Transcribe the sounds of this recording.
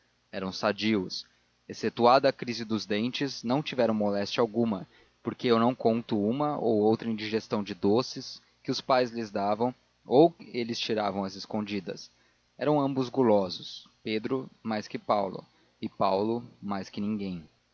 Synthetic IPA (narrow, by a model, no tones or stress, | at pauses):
ɛɾɐ̃w̃sad͡ʒiʊs | eset̪uad̪ɐːkɾizɪd̪ʊzd̪ẽnt͡ʃɪznɐ̃w̃t͡ʃivɛɾɐ̃w̃molɛst͡ʃɐawɡũmɐ | poɾkeewnɐ̃w̃kõnt̪ʊũmɐowowt̪ɾɐĩd͡ʒiʒest̪ɐ̃w̃d͡ʒɪd̪osɪs | kɪʊspajzlɪzd̪avɐ̃w̃ | owkelɪst͡ʃiɾavɐ̃w̃ɐzɪskõnd͡ʒid̪ɐ̰s | ɛɾɐ̃w̃ɐ̃mbʊzɡulɔzʊs | ped̪ɾʊmajskɪpawlʊ̰ | ɪpawlʊmajskɪnĩŋɡẽj̃